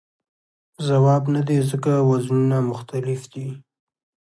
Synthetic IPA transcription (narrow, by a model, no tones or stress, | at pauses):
zawɑbnad̪ezəkawaznunamʊxt̪alɪfd̪i